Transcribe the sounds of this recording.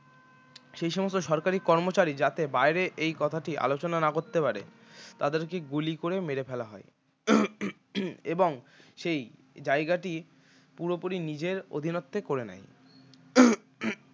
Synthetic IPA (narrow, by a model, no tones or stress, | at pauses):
ʃejʃɔmost̪oʃɔɾkaɾikɔɾmot͡ɕaɾid͡ʑat̪ebaeɾeʔejkɔt̪ʰaʈiʔa̰lot͡ɕonanakoɾt̪ːepaɾḛ | t̪ad̪eɾkeɡulikoɾemeɾepʰɛlaɦɔe | eboŋ | ʃej | d͡ʑaeɡaʈi | puɾopoɾinid͡ʑeɾo̰d̪ʱinot̪ːekoɾena̰j